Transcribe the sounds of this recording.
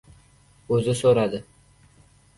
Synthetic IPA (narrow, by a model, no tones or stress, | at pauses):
ɵzɪsoɾad̪ɪ